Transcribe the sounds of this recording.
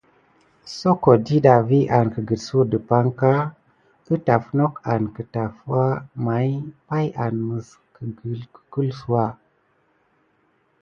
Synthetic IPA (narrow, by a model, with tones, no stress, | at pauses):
so˦ko˨di˦ɗa˨vi˦ʔa˨nkə˨ɡə˨lsu˦˨də˨pa˦ŋka˦ | ə˦ta˨fno˦ka˨nkə˨ta˨fu˦wa˦ma˨˦jpa˦ja˨nmə˨s | kə˨ɡlkə̥˨ku˦lsu˦wa˦